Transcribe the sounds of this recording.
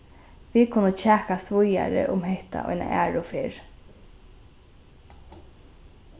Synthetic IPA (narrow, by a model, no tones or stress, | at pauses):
ʋikʰʊnət͡ʃʰæːkast̪ʋʊjaɾə̰ʔʊmhɛht̪a̰ʔɔ̰jna̰ʔæːɹʊfɪɹ